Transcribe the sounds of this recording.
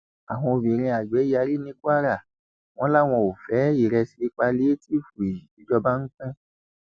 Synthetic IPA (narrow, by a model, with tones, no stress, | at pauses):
a˨w̃ɔ̃˧o˨bĩ˨ɾ̃ĩ˧a˨ɡ͡bɛ˨˦a˧ɾi˦nĩ˦ku˦a˦ɾa˦˨ | w̃ɔ̃˦la˦w̃ɔ̃˧o˨fɛ˨˦i˦˨ɾɛ˧si˧i˧k͡pa˧le˦ti˦˨fu˨e˨ji˨i˨˦d͡ʒɔ˧ba˦ŋ̩˦kɛ̃˦